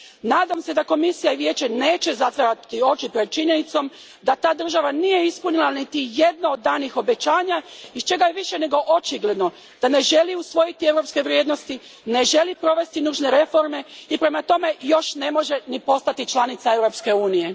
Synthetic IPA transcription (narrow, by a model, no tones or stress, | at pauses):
naːd̪amse̞d̪ako̞misijaiʋje̞ːt͡ʃe̞ne̞ːt͡ʃe̞zat̪ʋaɾat̪io̞t͡ʃipɾed̪̚t͡ʃiɲe̞nit̪so̞m | d̪at̪aːd̪r̩ʒaʋanije̞ispunilanit̪ije̞d̪naod̪̚ːaːnixo̞be̞t͡ʃaːɲaist͡ʃe̞ɡajeʋiʃe̞ne̞ɡo̞ʔot͡ʃiɡle̞d̪no̞ | d̪̥ane̞ʒe̞liusʋo̞jit̪ie̞ʋɾo̞pske̞ʋɾjeːd̪no̞st̪i | ne̞ʒe̞lipɾo̞ʋe̞st̪inuːʒne̞ɾe̞fo̞ɾme̞ipɾe̞mat̪o̞me̞jo̞ʃne̞mo̞ʒe̞nipo̞st̪at̪it͡ʃlˠanit̪sae̞ʋɾo̞pske̞uːnije̞